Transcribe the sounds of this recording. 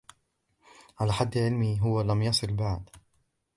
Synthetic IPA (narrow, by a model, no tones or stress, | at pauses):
ʕalaːħad̪ːʕɪlmiːɦʊwalamjɑsˤɨlbaʕd̪